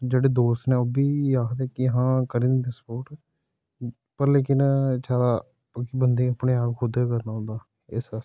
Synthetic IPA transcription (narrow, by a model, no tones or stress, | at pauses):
d͡ʒeːɽeːd̪oːst̪nɛ̃ːoːbiːjaːkʰd̪ɛːkɪɦãːkəɾĩːnd̪iːd̪espoːʈ | pəɾleːkɪnt͡ʃaːɾaː | əkibənd̪eːəpɳeːaːpkʰʊd̪eːkəɾnaːɦʊ̃nd̪aː | ɪsəs